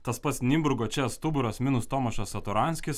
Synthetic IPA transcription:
t̪ɐspɐt̪snʲimbɾʊɡoːt͡ʃʲɛst̪ʊbʊɾosmʲɪnʊst̪oːmɐʃosɐt̪ʊɾɑnʲsʲkʲɪs

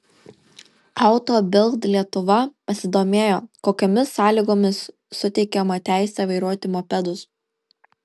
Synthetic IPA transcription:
ɐˑʊt̪oːbʲɪlˠt̪lʲiɛt̪ʊʋɐpɐsʲɪd̪oːmʲeːjoːkoːkʲoːmʲɪsːɑːlʲiɡoːmʲɪsː | ʊt̪ʲɛɪkʲɛmɐt̪ʲæˑɪsʲɛʋɐɪɾuɔt̪ʲɪmopʲɛd̪ʊs

